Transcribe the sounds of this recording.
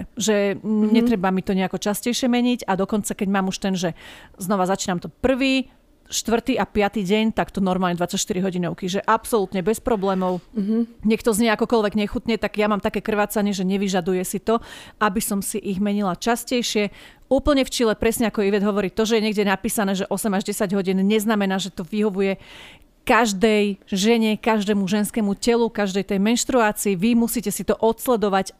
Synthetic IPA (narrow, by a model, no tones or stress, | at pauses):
ʒɛɲɛt̪ɾɛbamit̪ɔɲɛakɔt͡ʃascɛjʃɪɛmɛɲiɟad̪ɔkɔnt͡sakɛɟmaːmuʃt̪ɛnʒɛznɔʋazat͡ʃiːnamt̪ɔpr̩ʋiː | ʃt̪ʋr̩t̪iʔapɪat̪iːɟɛɲt̪akt̪ɔnɔɾmalɲɛd̪ʋat͡sacʃt̪iɾiɦɔɟinɔʊkiʒɛʔapsɔlut̪ɲɛbɛspɾɔblɛːmɔʊɲɛkt̪ɔzɲɪɛakɔkɔlʋɛɡɲɛxut̪ɲɛt̪aɡjamaːmt̪akɛːkr̩ʋaːt͡saɲɪɛʒɛɲɛʋiʒad̪ujɛsit̪ɔabisɔmsiʔiɣmɛɲilat͡ʃascɛjʃɪɛ | uːpl̩ɲɛft͡ʃilɛpɾɛsɲɛakɔiʋɛd̪ɦɔʋɔɾiːt̪ɔʒɛjɛɲɛɡɟɛnapiːsanɛːʒɛʔɔsɛmaʒɟɛsaɟɦɔɟiːnɲɛznamɛnaːʒɛt̪ɔʋiɦɔʋujɛ | kaʒd̪ɛjʒɛɲɛkaʒd̪ɛːmuʒɛnskɛːmucɛlukaʒd̪ɛjt̪ɛjmɛnʃt̪ɾuaːt͡siːʋimusiːcɛsit̪ɔʔɔt̪slɛd̪ɔʋac